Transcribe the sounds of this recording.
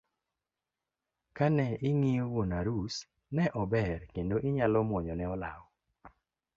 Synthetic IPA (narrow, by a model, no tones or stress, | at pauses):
kanɛɪŋijowonaɾus | nɛʔɔbɛrkendoʔɪɲalɔmɔɲɔnɛɔlaɔ